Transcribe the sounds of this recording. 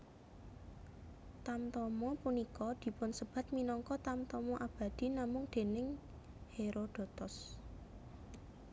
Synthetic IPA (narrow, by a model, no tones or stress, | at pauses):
t̪amt̪ɔmɔpunikɔd̪̥i̤pʊnsəb̥a̤t̪̚minɔŋkɔt̪amt̪ɔmɔʔab̥a̤d̪̥i̤namʊŋd̪̥e̤nɪŋ | heɾʔoɖ̪̥ɔ̤t̪ɔs